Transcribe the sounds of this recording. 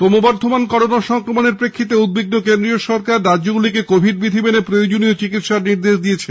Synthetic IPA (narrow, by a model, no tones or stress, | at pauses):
t̪omobɔɾd̪ʱomankɔɾonaʃɔŋkɾomoneɾpɾekʰːit̪̬eud̪̚biɡ̚nokend̪ɾioʃɔɾkaɾːadːoɡulikekobʱiɖ̚bid̪ʱibenepɾoeod͡ʑoniot͡ɕikit̪ʃaɾniɾd̪eʃd̪iet͡ɕʰe